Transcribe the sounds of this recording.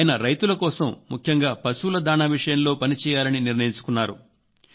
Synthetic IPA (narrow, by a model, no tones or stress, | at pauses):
jɐnɐɾɐjt̪ulɐkɔːsɐmːukʰjɐŋɡaːpɐsulɐd̪aːnaːʋiʂɐjɐmlo̞ːpɐnit͡ʃɛːjaːlɐniniɾnɐjiɲt͡ʃu̥kunːaːɾu